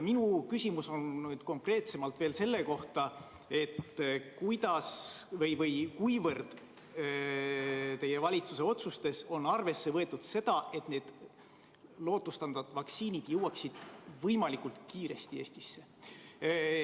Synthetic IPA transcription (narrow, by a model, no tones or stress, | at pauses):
jminukysʲimuso̞nnyːd̪̥ko̞ŋkre̞ːt̪se̞mɑlt̪ve̞ːlse̞lːe̞ko̞ht̪ɑ | e̞t̪kujd̪̥ɑsvɤjvɤjkujvɤrd̪̥ | t̪e̞je̞vɑlʲit̪suse̞o̞t̪sust̪e̞so̞nɑrve̞sːe̞vɤ̞e̞t̪ːˑud̪̥se̞d̪̥ɑʔe̞t̪ne̞ːd̪̥ | lo̞ːt̪ˑːust̪ɑnd̪ɑt̪vɑksiːnid̪̥jɤwɑksid̪̥vɤjmɑlikˑult̪kiːɾe̞st̪ie̞ːsʲt̪i̥sːe̞